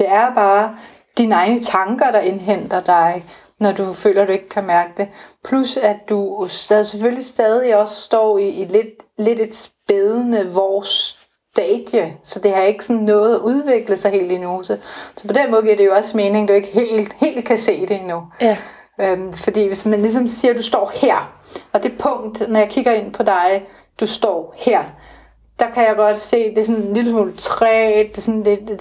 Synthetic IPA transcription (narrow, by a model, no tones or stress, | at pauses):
d̥e̝æɐb̥ɑ̈ː | d̥inəɑ̈ɪnət͡sʰɑ̈ŋɡ̥ɐɾ̥ɑ̈enɦen̰d̥ɐd̥ɑ̈ɪ | nɒd̥ufø̰ːlɐd̥ue̝ɡ̥̚kʰæmæɐɡ̥əd̥e̝pʰlusæd̥usseføllisd̥ɛːð̞ˠiɒ̽ssd̥ɒ̰ːiːled̥le̝de̝d̥sb̥eð̞ˠənəʋɒs | d̥ɛːd̥jəsɒ̽d̥e̝hɑ̈e̝ɡ̥əsɔ̽nːɔ̽ːð̞̩ˠæʔuð̞ˠʋe̝ɡ̥ləð̩ˠsɑ̈ɪhe̝̰ːld̥inoːsəsɒ̽pʰɒ̽d̥enmɔ̽ð̩ˠɡiɐd̥e̝jo̝ɒ̽sme̝ːne̝ŋd̥ue̝ɡ̥əɦe̝̰ːld̥he̝̰ːld̥̚kʰæse̝̰ːd̥e̝henu | ømfɒ̽d̥ḭːʋe̝smænlis̬ɒ̽msiːɐd̥usd̥ɒ̰ːheɐ̰ | ɒ̽d̥e̝pʰɔ̽ŋ̰d̥nɒjɑkʰiɡ̥ɐe̝n̰pʰɒ̽d̥ɑ̈ɪ | d̥usd̥ɒ̰ːheɐ̰ | d̥ɑ̈kʰæjɑ̈ɡ̥ɒ̽d̥se̝̰ːd̥e̝sɔ̽nliləsmṵːlt͡sʰʁɛdd̥e̝sɔ̽nled